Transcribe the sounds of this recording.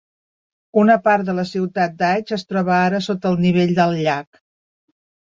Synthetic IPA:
unəpaɾt̪ðələsiwt̪at̪̚d̪ad͡ʒəst̪ɾɔβəaɾəsot̪əːlˠniβ̞eʎʲd̪əlˠʎak

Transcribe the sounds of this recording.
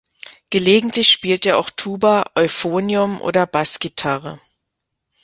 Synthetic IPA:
ɡ̥əleːɡŋ̩tlɪçʃpiːlteːɐʔa̰ʊxtʰuːbɐʔɔʏfoːnjʊmʔo̰ːdɐbasɡ̥itʰaʁə̰

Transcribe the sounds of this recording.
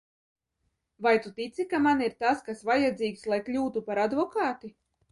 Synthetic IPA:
vajt̪ut̪it̪sikamaniɾt̪askasvajad̪ziːkslˠajklʲuːt̪upaɾad̪vɔkaːt̪i

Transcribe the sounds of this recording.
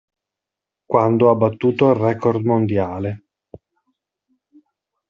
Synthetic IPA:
kwand̪oabːat̪ːuːt̪oilrɛkord̪mond̪jaːle

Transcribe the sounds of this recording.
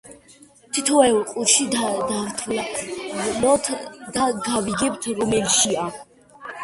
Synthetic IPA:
t̪ʰit̪ʰɔɛlqʼut͡ʃʰid̪aɾt̪ʰul | lɔt̪ʰd̪aɡaviɡɛb̚t̪ʰɾɔmɛlʃia

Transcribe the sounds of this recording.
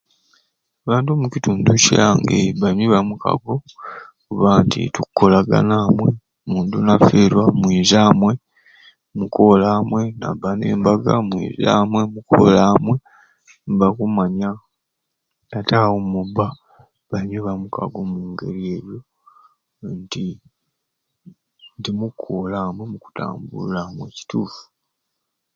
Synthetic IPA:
aβaːntuomucituːnduciaːŋɡḛβameβamuka̰ɡo̞kuβaːntḭtukːo̞laɡa̰namwe̞ | muːndunafeːɾwamwiːzaːmwe̞ | muko̞laːmwe̞na̰banḛːmbaɡamwḭːza̰ːmwe̞muko̰laːmwe̞ | mbakumaɲa | atawomuba | βaɲeβamuka̰ɡomuːŋɡe̞̰ɾie̞ɾjo̞ | nti | ndimukʰːolaːmwe̞muku̥ta̰ːmbṵlamwe̞̰ci̥tuːfu̥

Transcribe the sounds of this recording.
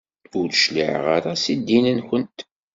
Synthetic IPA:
ʊɾθʃlḭʕʁaɾasid̪ːinənçənt̪

